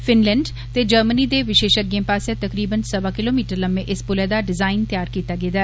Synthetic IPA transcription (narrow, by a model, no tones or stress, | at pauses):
fɪnlɛ̃ːɳɖ | t̪eːd͡ʒəɾmənid̪eːʋɪʃeːʃək̚ɡẽːpaːsɛt̪əkɾiːbənsəbaːkɪloːmiːʈəɾləmːẽʔɪspʊlɛːd̪aːɖɪzaːɪnt̪jaːɾkiːt̪aːɡeːd̪aː